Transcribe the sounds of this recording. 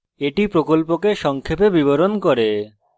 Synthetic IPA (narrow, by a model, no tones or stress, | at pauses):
eʈipɾokolpokeʃɔŋkʰepebiboɾonkoɾe